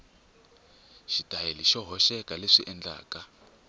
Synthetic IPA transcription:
ʃitʼajeliʃɔɦɔʃɛkʼaleʂiʔɛnd͡ɮa̰ːka

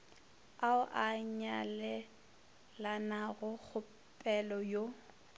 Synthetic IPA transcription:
aʊʔaɲalɛ | lanaɣʊk͡xʊ | pʼɛlɔjo

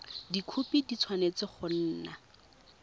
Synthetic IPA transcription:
dikʰupidit͡sʰwanet͡sɪχʊn̩ːna

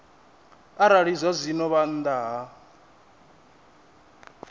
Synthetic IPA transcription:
aɾaɺizazʷinɔβan̩d̪aɦa

